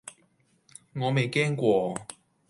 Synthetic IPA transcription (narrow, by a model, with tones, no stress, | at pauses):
ŋɔ˨˧me˨˩jkɛː˥nkwɔː˥˧